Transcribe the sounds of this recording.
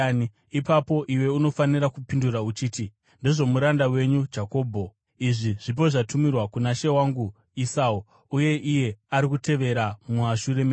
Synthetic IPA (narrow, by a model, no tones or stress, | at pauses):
ipapo̞ʔiwe̞uno̞faniɾakupinduɾaut͡ʃiːti | ndeʐo̞muɾandawe̞ɲud͡ʒako̞ːbʱo̞ | iʐiʐ̥ip̬o̞ʐatumirwakunaʃe̞waŋɡu | isau | uje̞ʔije̞aɾikute̞ʋe̞ɾamuaʃure̞me